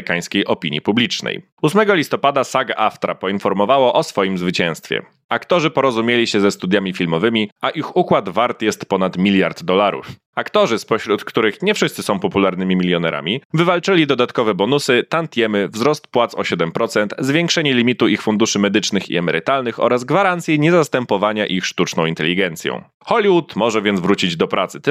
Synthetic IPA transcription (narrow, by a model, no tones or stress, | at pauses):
kaj̃skʲejʔɔpʲiɲḭpublʲit͡ʂnɛ̰j | usmɛɡɔlʲist̪ɔpad̪asaɡaʔaft̪ɾa̰pɔinfɔɾmɔvawɔʔɔsfɔjimzvɘt͡ɕɛ̃w̃st̪fʲjɛ̰ | akt̪ɔʐɘpɔɾɔzumʲjelʲiɕɛzɛst̪ud̪jamʲifʲilmɔvɘmʲiaʔixukwad̪vaɾt̪jɛst̪pɔnat̪mʲilʲjaɾd̪ːɔlaɾṵf | akt̪ɔʐɘspɔɕɾut̪kt̪uɾɘxɲɛfʂɘst̪sɘsɔ̃w̃pɔpulaɾnɘmʲimʲilʲjɔnɛɾʔa̰mʲivɘvalt͡ʂɘlʲid̪ɔd̪at̪kɔvɛbɔnusɘt̪ant̪ʲjɛmɘvzɾɔst̪pwat̪sɔ̰ɕɛd̪ɛmpɾɔt̪sɛnt̪zvʲjɛŋkʂɛɲɛlʲimʲit̪uixfund̪uʂɘmɛd̪ɘt͡ʂnɘxḭɛmɛɾɘt̪alnɘxɔ̰ɾazɡvaɾant̪sʲjɛɲɛzast̪ɛmpɔvaɲaʔixʂt̪ut͡ʂnɔ̃w̃int̪ɛ̰lʲiɡɛnt̪sʲjɔ̰̃w̃ | xɔlʲiwut̪mɔʐɛvʲjɛnvɾut͡ɕid͡ʑd̪ɔpɾʔat̪sɘ̥